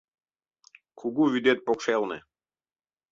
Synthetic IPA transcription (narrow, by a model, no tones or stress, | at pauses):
kʰuɡuvid̪ɛt̪̚pɔkʃɛlnɛ̰